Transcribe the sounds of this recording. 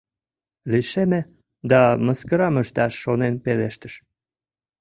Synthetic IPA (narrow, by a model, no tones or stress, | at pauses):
liʃeme | d̪ɑməskəɾɑməʃt̪ɑʃːonenpeleʃt̪ə̆ʃ